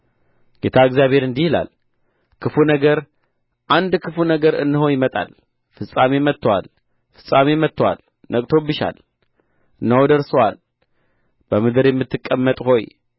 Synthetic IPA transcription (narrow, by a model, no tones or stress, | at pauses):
ɡ̥et̪ʰaɨɡzjaβhe̞ɾɨnd̪ihɨla̰l | kʰɨfunəɡəɾ | ʔand̪kʰɨfunəɡəɾɨ̰nːɨho̞jɪmət̪ʼa̰l | fɨsʼamemət̪ʰːwa̰l | fɨ̥sʼamemət̪ʰːwa̰l | nəkʼt̪ʰo̞bɨʃa̰l | ɨnːəwod̪əɾsɐwal | b̥əmɨd̪ɨɾjɛmːɨt̪ʰːɨkʼːəmːət̪ʼho̞j